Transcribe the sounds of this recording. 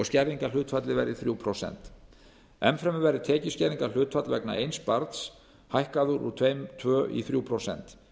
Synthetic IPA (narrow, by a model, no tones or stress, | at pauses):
ɔscɛɾðiŋkalʏːt̪fat̪lɪvɛ̰ɾɪθɾjuːwpʰɾɔsɛ̰n̥t̪ | ɛmfɾɛmʏvɛɾɪt̪ʰɛːcɪscɛɾðiŋkal̥ʏːt̪fat̪lvɛkna̰ʔejnspaɾt̪s | hajhkaðʏɾṵt̪ʰvejmt̪ʰvœːʔḭθɾjuwpʰɾosɛ̰n̥t̪